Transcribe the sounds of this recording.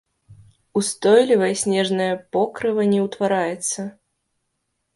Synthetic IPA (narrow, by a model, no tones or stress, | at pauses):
ust̪ɔjlʲivɐjɐsʲnʲɛʐnɐjɐpɔkɾɨvɐnʲɛwt̪vaɾajɛt̪sːɐ